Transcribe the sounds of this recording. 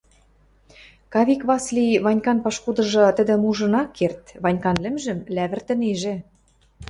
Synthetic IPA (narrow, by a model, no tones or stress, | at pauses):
kɑβʲikβɑsliβɑnʲkɑnpɑʃkud̪ɤ̆ʒɤ̆t̪ə̆d̪ɘ̆muʒɤ̆nɑkʰːert̪βɑnʲkɑnlɘ̆mʒɘ̆mlæβɘ̆rt̪ɘ̆neʒĕ